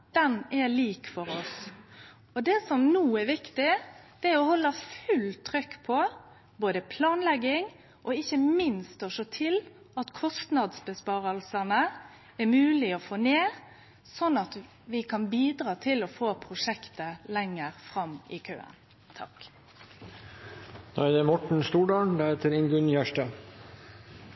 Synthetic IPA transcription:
d̪̥ɛnɛliːkfɔɾɔs | ɔd̪ɛsɔmnuːɛɾʋɪkt̪ɪd̪̥ɛæɾɔhɔlːəfʉlt̪ʰɾʏkːpʰɔ | boːd̪əpʰlɑːnlɛɡɪŋ | ʔɔɪçːəmɪnst̪ɔʂoːt̪ʰɪl | ɑt̪kʰɔst̪nɑd̪sbəspɑːɾəlsɑnə | ɛmʉːlɪofoːneːʁ | sɔnɑt̪ | ʋɪkʰɑnbiːd̪ʁɑːt̪ʰɪlɔfoːpʰʁʊʂɛkt̪əlɛŋːəʁfʁɑmɪ̰kʰø̰ːə̰n | t̪ʰɑ̰k | d̪̥od̪ɛmɔʈɳ̩st̪uːɖɑːɳd̪ɑːheːt̪əɾɪŋɡʉnçæʂʈɑ

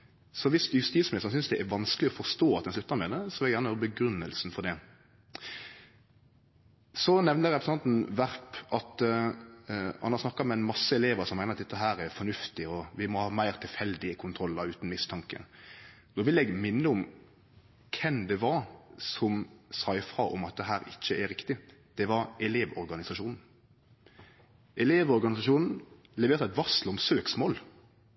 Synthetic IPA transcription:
sɔʋɪsjʉst̪iːsmɪsɑnsʏnsd̪ɛʔæɾʋɑnskəlɪɔfɔst̪oːɑt̪d̪ɛnslʉt̪ːɑɾmɛd̪əsɔʋɪlɛɡjæːnəjøːɾəbəɡɾʉnːəlsnfɔɾd̪ɛ | sɔnɛʋnəɾɛpɾs̩ɑnt̪n̩ʋæɾpɑt̪ | hɑnhɑɾsnɑkːɑmɛɛnmɑsːəɛleːʋəɾsɔmæɪəɾɑt̪d̪ɛt̪ːəɦæːɾæɾfɔnʉft̪ɪɔʋɪmɔhɑːmæɪʁt̪ʰɪlfɛld̪ɪəkʰʊnt̪ʰɾɔlːd̪ɑʉːt̪n̩mɪst̪ʰɑŋkə̰d̪ɔʋɪlɛɡmɪnːəɔm | kʰɛmd̪ɛʋɑɾsɔmsɑɪfɾɑʔɔ̰mɑt̪̚d̪ɛɦæːɾɪçːəɛɾɪkt̪ɪd̪̥ɛʋɑɾɛleːʋɔɾɡɑnɪsɑʂuːnn̩ | ʔɛleːʋɔɾɡɑnɪsɑʂuːnn̩ | lɛʋeːɾt̪ɑɛt̪ʋɑslɔmsøːksmoːl

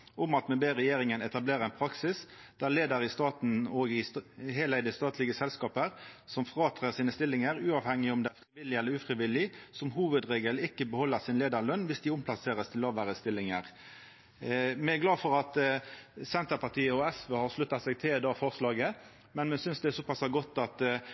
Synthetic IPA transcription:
ʊmɑt̪mɛbeːʁɛjeːʁɪŋənɛt̪ɑbleːɾʁəɛnpʰɾɑksɪsd̪̥æʁleːd̪əɾɪst̪ɑːt̪n̩ɔɡɪheːlæɪd̪əst̪ɑːt̪lɪɡəsɛlskɑːpəɾsɔmfʁɑːt̪ʰʁæʁsiːnəst̪ɪlːɪŋəɾʉːɑːʋhɛŋːɪɔmd̪ɛæfʁɪʋɪlːɪɛlːəɾʉːfʁɪʋɪlɪsɔmɦuːʋəd̪ʁeːɡəlɪkːəbəhɔlːəʁsɪnleːd̪əɾɭœnːʋɪsd̪ɪʊmpʰlɑseːʁəst̪ʰɪlɑːʋæːɾəst̪ɪlːɪŋəʁ | mɛæɡlɑːfɔʁɑt̪ | sɛnt̪əʁpɑʁt̪iːəɔɛsʋøːhɑʁʂlʉt̪ːɑsɛɡt̪ʰɪld̪ɑːfɔʁslɑːɡə | mɛnmɛsʏnsd̪ɛɛsɔpʰɑsɑɡɔt̪ːɑt̪

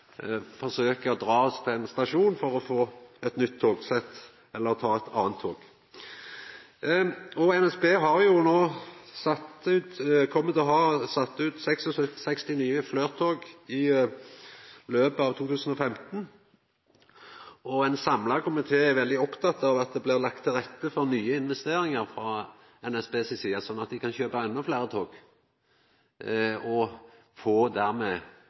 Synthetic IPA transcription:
fɔʁsøːkəɔd̪ɾɑːɔst̪ʰɪɛnst̪ɑʂuːnfɔʁɔfoːɛt̪nʏt̪ʰːoːɡsɛt̪ː | ɛlːəʁt̪ʰɑːɛt̪ʰɑ̰ːənt̪ʰːoːɡ̥ | ɔɛnɛsbeːɦɑʁjʊnoːsɑt̪ʉːt̪kʰɔmːət̪ɔɦɑːsɑt̪ːʉːt̪sɛksɔsœtsɛkst̪ɪniːəflœʏʁt̪ʰoːɡɪ | løːpəɑːʋt̪ʰuːt̪ʰʉːsən̩ɔfɛmt̪n | ɔɛnsɑmlɑɡkʰɔmɪt̪ʰeːɛʋɛld̪ɪɔpt̪ʰɑt̪ːɑʋɑt̪̚d̪ɛblɪʁlɑk̚t̪ʰːɪlʁɛt̪ːəfɔɾnyːəɪnʋɛst̪eːɾɪŋəɾfɾɑː | ɛnɛsbeːsɪsiːɑsɔnːɑt̪̚d̪ɪkʰɑnçøːpɑɛnːʊflæːʁət̪ʰoːɡ̥ | ɔ | foːd̪æʁmɛeː

